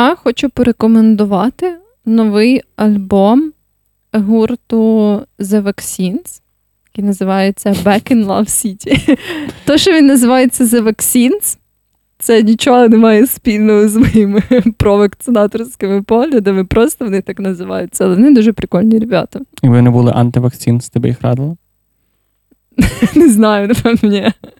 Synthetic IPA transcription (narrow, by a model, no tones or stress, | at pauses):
axɔt͡ʃʊpɔɾekɔmend̪ʊʋɑt̪ɪ | nɔʋɪjɐlʲbɔm | ɦurt̪ʊzeʋɐksʲins | jɐkʲijnɐzɪʋɑjet͡sʲːɐbɛkɪnlˠɐ̰wsʲitʲit̪ɔʃt͡ʃɔʋinːɐzɪʋɑjet͡sʲːɐzɐʋɐksʲins | t̪sɛnʲit͡ʃɔɦɔnɪmɑjɛspʲilʲnɔɦɔzmɔjimɪpɾɔʋɐkt̪sɪnɑt̪ɔɾsʲkɪmɪpɔɦlʲɐd̪ɐmɪpɾɔst̪ɔʋɔnɪt̪ɑknɐzɪʋɑ̰jʊt͡sʲːɐɐlˠɛʋɔnɪd̪uʒɛpɾɪkɔlʲnʲiɾʲebʲa̰t̪ɐiʋɪnɪbulˠɪ̰ʔɐ̰nt̪ɪʋɐksʲinsʲt̪ɪbɪ̰jixɾɑ̰d̪ɪlˠɐ | neznɑjʊpɐmnʲɛ